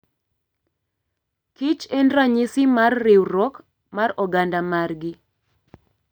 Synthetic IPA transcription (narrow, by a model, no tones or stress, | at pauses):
kit͡ʃendraɲisimarːɪwɾɔk | marɔɡandamarɡi